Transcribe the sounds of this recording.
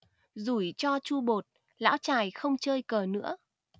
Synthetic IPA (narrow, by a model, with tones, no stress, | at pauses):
zu˧˩˦jt͡ɕɔ˧t͡ɕu˧ɓo˨˩t̚ | la̰ː˧˥wt͡ɕaː˨˩jxə˧wŋ͡mt͡ɕəː˧jkəː˨˩nɨ̰˧˥ə